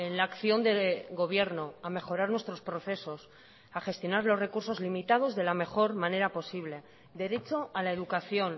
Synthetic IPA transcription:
enlaːkθjo̞nd̪e̞ɣo̞β̞je̞ɾno̞ame̞xo̞ɾaɾnwe̞st̪ɾo̞spɾo̞θe̞so̞s | aχe̞st̪jo̞naɾlo̞zre̞kuɾso̞zlimit̪að̞o̞zðe̞lame̞xo̞ɾmãne̞ɾapo̞siβ̞le̞ | d̪e̞ɾe̞t͡ʃo̞alaeðukaθjo̞n

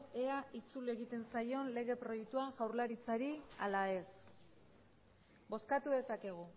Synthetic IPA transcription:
eait͡sule̞ɣit̪e̞nsajo̞nle̞ɣ̞e̞pɾo̞jek̚t̪uaʝawɾlaɾit͡saɾialae̞s | bo̞skat̪uðe̞sake̞ɣ̞u

